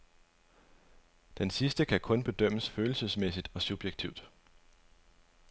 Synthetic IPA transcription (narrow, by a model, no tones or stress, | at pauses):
d̥ensisd̥əkʰækʰɔ̽nb̥e̝d̥øm̰əsføːl̩səsmesid̥ɒ̽sub̥jeɡ̥̚t͡sʰiʊd̥